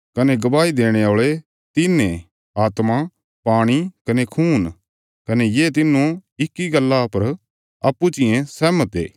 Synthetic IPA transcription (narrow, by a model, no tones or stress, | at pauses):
kɐneɡɐʋaːid̪eːɽ̃eoːɭe | t̪ɪnẽ | aːt̪ma | paːɽ̃ikɐnekʰuːn | kɐnejeːt̪ɪnːũɪkːiɡɐlːapɐɾ | ɐpːut͡ʃɪjẽsɛːmət̪ḛː